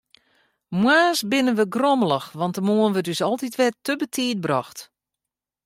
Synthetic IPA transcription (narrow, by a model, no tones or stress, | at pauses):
mwaːsbɪnənʋəɡroməlˠəxʋɑntəmoənʋətysɔlˠtitʋɛtːəbətʰiːt̚brɔxt